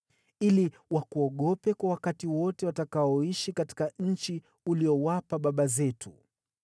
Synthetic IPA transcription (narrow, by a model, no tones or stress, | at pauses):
ili | wakuɔɠɔpɛkwawakatiwɔtɛwatakaɔiʃikati̥kaɲ̩t͡ʃi | uliɔwapaɓaɓazɛtʰu